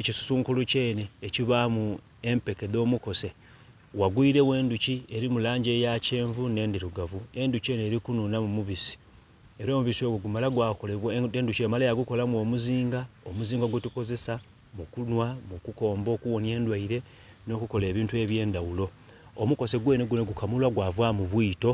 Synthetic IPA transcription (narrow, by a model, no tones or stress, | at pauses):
ecisu̥suːŋkuluce̞ːne̞ːciβamu | e̞mpeke̞ðo̞ːmuko̞se̞ | waɡwiiɾe̞we̞ːnducie̞ɾimulaːɲɟe̞ːjace̞ːɱvune̞ːndiɾuɡavue̞nduce̞ne̞ːɾikununamumuβisi̥ | eɾo̞ːmuβiso̞ɡuɡumalaɡwakoleβwenduciemalejaɡuko̞lamuo̞ːmuziːŋɡaomuziːŋɡaɡutuko̞ze̞sa | mukunwamukuko̞ːmbo̞ːkuwo̞nje̞ːndwaiɾe̞ | no̞kuko̞le̞ːβiːntue̞ːβje̞ːndawulo̞ː | muko̞se̞ɡwe̞ːneɡuneɡukamulwaɡwavwamuβwiːto̞